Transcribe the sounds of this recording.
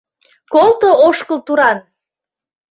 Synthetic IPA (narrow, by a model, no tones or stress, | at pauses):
kolt̪ooʃkəlt̪uɾɑn